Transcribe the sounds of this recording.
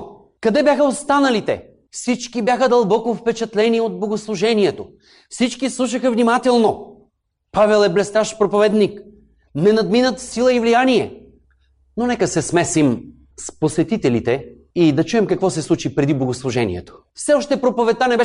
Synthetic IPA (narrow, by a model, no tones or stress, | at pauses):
kɐd̪ɛbʲjaxəost̪anɐlit̪ɛ̰ | fsit͡ʃkibʲjaxəd̪ɐlˠbɔkofpɛt͡ʃɐt̪lɛniod̪̚bloɡoslˠuʒɛniɛt̪o | fsit͡ʃkislˠuʃ̬əxəvnimat̪ɛlˠno | pavɛlˠɛblɛst̪aʃpɾopovɛd̪nik | nɛnɐd̪minət̪silˠəivlijaniɛ | nonɛkəsɛsmɛsim | sposɛt̪it̪ɛlit̪ɛ | id̪ɐt͡ʃuɛmkɐkvɔsɛslˠut͡ʃipɾɛd̪ibloɡoslˠuʒɛnḭɛ̰t̪o̥ | fsɛɔʃt̪ɛpɾopovɛt̪anɛbɛ